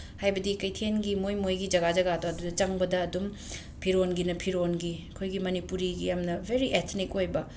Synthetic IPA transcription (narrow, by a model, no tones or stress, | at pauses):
hajbɐdikɐjtʰenɡimojmojɡid͡ʒɐɡad͡ʒɐɡadoɐdudɐt͡ʃɐŋbɐdɐːdum | pʰiɾonɡinɐpʰiɾonɡikʰojɡimɐnipuɾiɡijamnɐbʱeɾiʔet̪ʰnikojbɐ